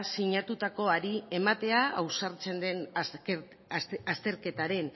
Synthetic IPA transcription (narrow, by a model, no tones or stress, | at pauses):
siɲat̪ut̪ako̞aɾie̞mat̪e̞aawsaɾt͡se̞nd̪e̞n | ast̪e̞ɾke̞t̪aɾe̞n